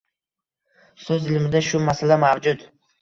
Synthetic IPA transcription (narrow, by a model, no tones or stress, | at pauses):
søzɪlmɪd̪aʃʊmasalamavd͡ʒʊd̪